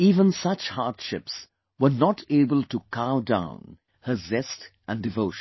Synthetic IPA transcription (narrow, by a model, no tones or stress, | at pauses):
iːvə̃nsʌt͡ʃhaɾdʃɪps | wənɔtʰeɪbəlˠtukʰaʊdã̰ʊ̃n | həzɛstʔæ̃ndɪvoʊʃn